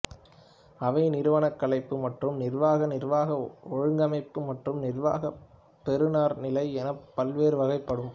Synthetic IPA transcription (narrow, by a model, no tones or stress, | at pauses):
ɐʋɐɪnɪɾɯʋɐɳɐkːɐɭɐɪpːɯmɐʈrɯmnɪrʋaːɣɐnɪrʋaːɣɐɔɻɯŋɡɐmɐɪpːɯmɐʈrɯmnɪrʋa̰ːɣɐ | pɛɾɯnaːɾnɪlɐɪɛnɐpːɐlʋeːɾɯʋɐɣɐɪpːɐɽɯm